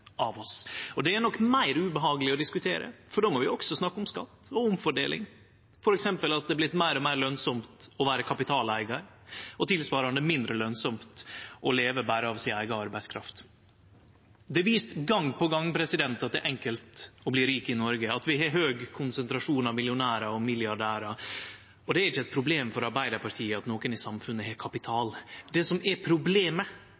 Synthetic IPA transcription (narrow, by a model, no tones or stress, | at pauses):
ʔɑʋɔsɔd̪ɛænɔkːmæɪɾʉbəɦɑːɡəlɪɔd̪ɪskʉt̪ʰeːɾə̰fɔɖoːmɔʋɪɔksɔsnɑkːʊmskɑ̰t̪ːɔʊmfɔɖḛːlɪ̰ŋ | fɔɾɛksɛmpəlɑt̪̚d̪ɛblɪt̪mæɪɾɔmæɪɾlœnsɔmt̪ɔʋæːɾəkʰɑpɪt̪ʰɑːlæɪɡɑɾ | ɔt̪ʰɪlsʋɑːɾɑnd̪əmɪnd̪ɾəlœnsɔmt̪ʔɔleːʋəbæːɾəɑʋsɪnæɪɡɑɑɾbæɪskʰɾɑ̰ft̪ | d̪ɛʋiːst̪ɡɑŋːpɔɡɑŋːpʰɾɛsɪd̪ɛnt̪ɑt̪d̪ɛ̰ːʔɛŋkəlt̪ɔbliːɾiːkɪnɔɾɡəɑt̪ʋɪɦɛɦøːɡkʰʊnsənt̪ɾɑʂuːnɑʋmɪljʊnæːɾɑɔmɪlɪɑɖæːɾɑ | ɔd̪ɛæɾɪçːəɛt̪̚pʰɾʊbleːmfɔɾɑɾbæɪd̪əɾpɑɾʈ̪ʰiːəɑt̪noːkənɪsɑmfʉnːəhɛkʰɑpɪt̪ʰɑːld̪ɛsɔmɛpʰɾʊbleːmə